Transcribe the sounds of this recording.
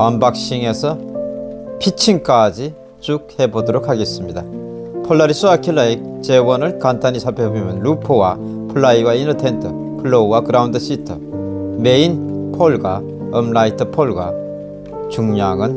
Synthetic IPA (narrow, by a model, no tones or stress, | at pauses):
ambak̚ɕ͈iŋe̞sʰʌ | pʰit͡ɕʰink͈ad͡ʑi | t͡ɕuk̚he̞bodoɾok̚ʰaɡe̞s͈ɯmɲidapʰʌɭːaɾis͈oakʰilːaik̚t͡ɕewʌnɯɭkantʰaɲisʰapʰebomjʌnlupʰowa | pʰɯɭːaiwainɯtʰentʰɯ | pʰɯɭːouwakɯɾaundɯɕ͈itʰɯ | me̞inpʰoɭɡwa | ʌmnaitʰɯpʰoɭɡwa | t͡ɕuŋɲaŋɯn